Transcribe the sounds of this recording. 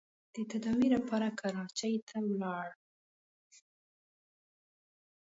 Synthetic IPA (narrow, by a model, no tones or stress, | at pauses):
d̪̥ət̪ad̪ɑwilapɑɾakʰaɾɑt͡ʃajt̪ʰawlɑɽ